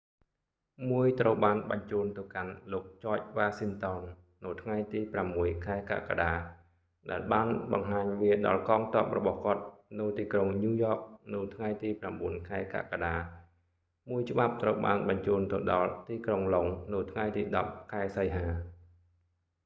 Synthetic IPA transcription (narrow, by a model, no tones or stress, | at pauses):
muəjt̪rəwɓaːnɓɑɲt͡ɕuːnt̪ɨwkanloːk̚t͡ɕɔːc̚ʋaːsiŋt̪onː | ɨwt̪ʰŋajt̪iːpramːuəjkʰaɛka̰ka̰ɗaː | ɗaɛlɓaːnɓɑŋɦaːɲʋiəɗɑ̰lkɑːŋt̪ɔ̆əp̚rɔɓɑhkŏət̪̚nɨwt̪iːkroŋɲuːjɔːk̚nɨwt̪ʰŋajt̪iːpramɓuənkʰaɛka̰kaɗaː | muəjt͡ɕə̆ɓap̚t̪rəwɓaːnɓɑɲt͡ɕuːnt̪ɨwɗɑlt̪iːkroŋloŋnɨwt̪ʰŋajt̪iːɗɑp̚kʰaɛsəjɦaː